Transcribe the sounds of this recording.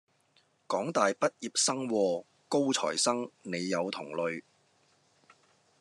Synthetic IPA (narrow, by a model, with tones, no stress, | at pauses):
kɔː˨˥ŋt̪aː˨jpɐ˥t̚jiː˨p̚sɐ˥ŋwɔː˧ | ko˥wt͡sʰɔ̰ː˨˩jsɐ˥ŋne˨˧jːɐ˨˧wt̪ʰʊ˨˩ŋlɵ˨ɥ